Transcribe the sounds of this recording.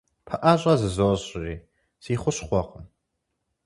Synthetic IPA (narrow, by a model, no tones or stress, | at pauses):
pʰaʔaɕʷʼazɨzoɕʼriː | z̥iːχʷʊɕχʷaqʼəm